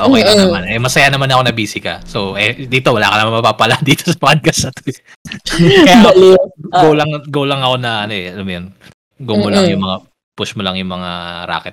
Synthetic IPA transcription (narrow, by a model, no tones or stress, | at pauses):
ʔoːkɛj̪ɐmanʔɛmɐsɐjanɐmanɐko̞nɐbiːsɪkɐ̰soʔɛd̪iːt̪o̞wɐla̰ːkɐnɐmanmɐpapɐlɐʔnd̪iːt̪o̥sɐ̥pɐɐd̪̚kɐsɐt̪oj | kɐjlɡolɐŋɡoːlɐŋɐko̞nɐʔɐnoʔɛʔɐlamjon | ɡomʊlaŋjʊŋmɐŋa | pʊʃmʊlaŋjʊŋmɐŋaɾa̰ːkɛt̪̚